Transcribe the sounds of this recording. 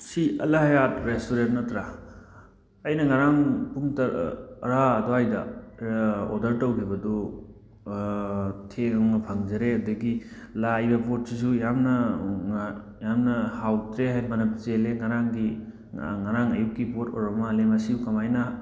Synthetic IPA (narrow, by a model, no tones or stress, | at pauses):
siɐlɐɦɐjatɾestuɾentnɐtɾa | ɐjnɐŋɐɾaŋpuŋtɐɾɾaːdoajdɐ | odɐɾtɐwkʰibɐdɔ | tʰeŋɐmnɐpʰɐŋd͡ʒɐɾeɐdɐɡilajbɐpot̚sisujamnɐ | jamnɐhawtɾeɦajbɐnɐpt͡ʃeleŋɐɾaŋɡi | ŋɐɾaŋɐjukːipoto̰ɾɐmalemɐsiukɐmajnɐ